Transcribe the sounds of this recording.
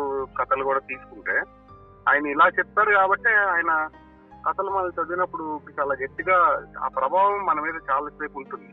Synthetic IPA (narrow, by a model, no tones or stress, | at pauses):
kɐt̪ɐlukuːɽaːt̪iːsu̥kuɳʈeː | aːjɐnɐilaːt͡ʃɛp̚t̪ːaːɾukaːbɐʈːeːaːjɐnɐ | kɐt̪ɐlumɐnɐlt͡ʃɐd̪inɐpːuɽut͡ʃaːlaːɡɐt̪ːiɡaːa̰ːpɾɐbʱaːʋɐmːɐnɐmiːd̪ɐt͡ʃaːlɐsɐjpuɳʈund̪i